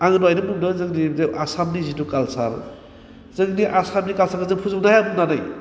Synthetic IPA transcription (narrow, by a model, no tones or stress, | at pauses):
aŋdwajnɯmuŋdɯzɯŋnieʔasamnizidukalsaɾ | zɯŋniʔasamnikalsaɡɯzɯpʰuzbnajabunanɯj